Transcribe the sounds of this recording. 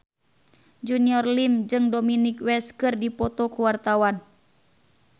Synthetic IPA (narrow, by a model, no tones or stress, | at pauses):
d͡ʒuniɔrlimd͡ʒɨŋdɔminikwɛskɨrdipɔt̪ɔkuwart̪awan